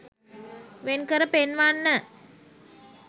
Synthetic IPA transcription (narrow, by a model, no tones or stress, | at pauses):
ʋenkəɾəpenʋaːnːə